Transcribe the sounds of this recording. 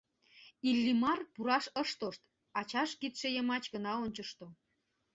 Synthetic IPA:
ilːimɑrpuɾɑʃəʃt̪oʃt̪ | ɑt͡ɕɑʃkit̪ʃĕjəmɑt͡ɕɣənɑonʲt͡ɕəʃt̪o

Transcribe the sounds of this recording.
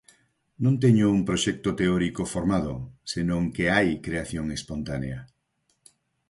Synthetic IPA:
nõnt̪ɛɲʊuŋpɾoʃɛk̚t̪ot̪eɔɾikofoɾmaðʊsenõŋkeajkɾeaθjoŋespont̪aneɐ

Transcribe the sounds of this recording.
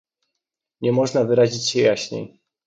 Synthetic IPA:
ɲɛmɔʐnavɘɾaʑit͡ɕɕɛjaɕɲɛ̰

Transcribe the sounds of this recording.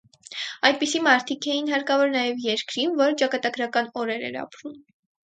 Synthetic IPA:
ɑjd̪̚pisimɑɾt̪ʰikʰɛjinɦɑɾkɑvɔɾnɑjɛvjɛɾkɾinvɔɾt͡ʃɑkɑt̪ɑɡɾɑkɑnɔɾɛɾɛ̰ɾɑ̰pɾum

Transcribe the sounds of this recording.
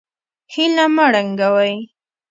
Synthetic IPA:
hɪlamaɽaŋɡawaj

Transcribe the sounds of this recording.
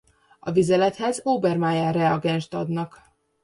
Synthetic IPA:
ɒvizɛlɛt̪hɛzoːbɛrmaːjaːrɛɒɡɛnʃt̪ɒd̪nɒk

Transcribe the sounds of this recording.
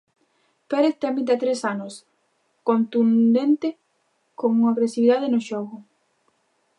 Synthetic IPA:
peɾeθt̪amid̪at̪ɾesanos | kont̪und̪ent̪e | koŋuŋaɣɾesiβiðaðenoʃoɣʊ

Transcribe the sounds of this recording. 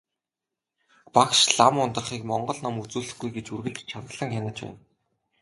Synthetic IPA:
pakʃɮamʊnt̪ə̆χiːkmɔɴɢɞ̆ɮnamut͡suːɮɘ̆xɡujɡet͡ɕurɣɘ̆ɮt͡ɕt͡ɕʰat̪ə̆ɮə̆ŋxʲanăt͡ɕpæ̰ːn

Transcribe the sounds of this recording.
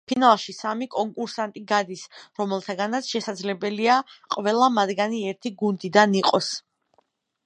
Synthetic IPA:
pʰinalˠʃisamikʼɔŋkʼuɾsant̪ʼiɡad̪isɾɔmɛlˠt̪ʰaɡanat̪sʰʃɛsad̪zlɛbɛliaqʼvɛlˠamad̪ɡaniɛɾt̪ʰiɡund̪id̪aniqʼɔs

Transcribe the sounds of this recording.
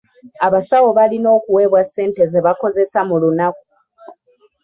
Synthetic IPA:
aβasawo̞βalino̞ːkuwe̞ːβwasːe̞ːnte̞ze̞βako̞ze̞samulunaku̥

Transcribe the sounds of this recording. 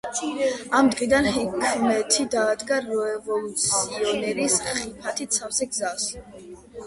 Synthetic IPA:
amd̪ʁid̪anhɛkʰmɛt̪ʰid̪aːd̪ɡaɾɔɛvɔlˠut̪sʰiɔnɛɾisχipʰat̪ʰit̪sʰafsɛɡzas

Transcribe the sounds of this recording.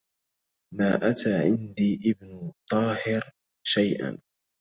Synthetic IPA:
maːʔat̪ʰaːʕɪnd̪iːʔɪbnʊt̪ˤɑːhɪɾ | ʃajʔa̰n

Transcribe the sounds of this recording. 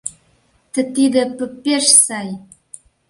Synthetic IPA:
t̪ə̆t̪id̪ə̆pə̆pʲːeʃsɑj

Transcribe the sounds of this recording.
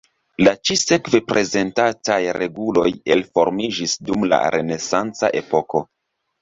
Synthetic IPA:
lat͡ʃise̞kve̞pɾʔe̞ze̞ntatajɾe̞ɡulo̞je̞lfo̞ɾmid͡ʒisdumla̰ɾe̞ne̞sant͡sa̰ʔe̞po̞ko̞

